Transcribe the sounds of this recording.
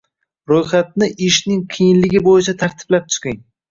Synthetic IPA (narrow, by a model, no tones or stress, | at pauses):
ɾojχat̪̚nɪʔɪʃnɪŋqʰijɪnlɪɡʲɪbojɪt͡ʃʰat̪ʰaɾt̪ʰɪ̥blap̚t͡ʃ̪ʰʊ̥qɪŋ